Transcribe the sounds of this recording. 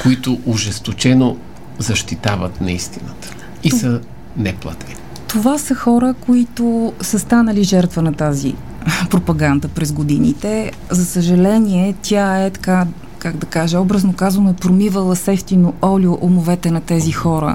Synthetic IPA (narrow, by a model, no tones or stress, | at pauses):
koit̪ʊʔʊʒɛst̪ot͡ʃɛno | zɐʃt̪it̪avə̰t̪nɐist̪inət̪ə̥ | isə | nɛplˠa̰t̪ʰɛni | t̪ovasəxɔɾəkoit̪osəst̪anəliʒɛɾt̪vənɐt̪azḭ | pɾopɐɡand̪əpɾɛzɡod̪inḭt̪ɛ | zɐsəʒɐlɛniɛt̪ʲjaɛt̪ɐ̥ka | kaɡd̪ɐkaʒɛɔbɾəznokazvənoipɾomivəlˠəsɛft̪inoɔlʲioʔomovɛt̪ɛnɐt̪ɛzixɔɾə̰